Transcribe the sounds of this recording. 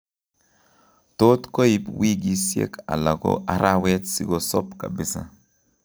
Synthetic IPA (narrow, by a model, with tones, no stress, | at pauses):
to˦tko˦i˦pwi˦ɡi˦sjḛ˦ka̰˨la˨ɡo̰ʔa˨ɾʔa˦wɛ˦t̪si˨ɡo˨sɔ˦pka̰˨bɪ˦sa̰˦